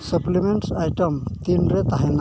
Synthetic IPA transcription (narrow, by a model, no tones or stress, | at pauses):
suplimɛnʈajʈɔmt̪inɾɛt̪aɦɛna